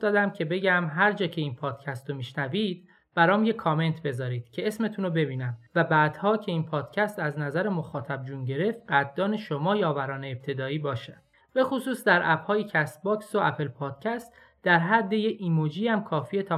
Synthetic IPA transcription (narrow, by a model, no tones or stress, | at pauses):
d̪ɒːd̪æmcʰe̞be̞ɟæmɦæɾd͡ʒɒːcʰe̞iːnpʰɒːd̪̥cʰæst̪omiːʃnæviːd̪̥ | b̥æɾɒːmje̞kʰːɒːme̞nt̪ʰbe̞zɒːɾiːd̪̥cʰe̞esme̞t̪ʰuːnobe̞biːnæmvæbæːd̪̥hɒːcʰe̞iːnpʰɒːd̪̥cʰæst̪æznæzæɾemo̞xɒːt̪ʰæb̚d͡ʒuːnɟe̞ɾe̞ft̪̚ɢæt̪̚ːɒːneʃomɒːjɒːvæɾɒːneːp̚t̪ʰe̞d̪ɒːiːbɒːʃæd̪̥ | b̥e̞xosuːsd̪æɾʔæb̥hɒːjecʰæst̪̚bɒːksoæpʰelpʰɒːd̪̥cʲʰæst̪ | d̪̥æɾɦæd̪ːejeimod͡ʒiːæmkʰɒːfiːet̪ʰɒ